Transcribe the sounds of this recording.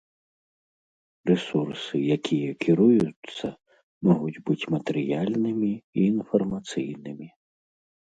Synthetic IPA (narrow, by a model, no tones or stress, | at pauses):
resursɪjɐkʲʰijɛkʰʲɪɾujʊsʲːɐ | mɔɦʊtʲbɪtʲmɐt̪eɾʲɪ̰jalʲnɪmʲiːnfɔrmɐt̪sḭjnɪmʲi